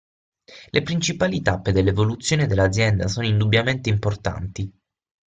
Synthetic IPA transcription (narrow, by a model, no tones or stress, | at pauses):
lʔepɾint͡ʃipaːlit̪apːed̪elːevolut̪sːjoːned̪elːad̪zjɛnd̪asoːnoind̪ubːjament̪eimport̪a̰nt̪i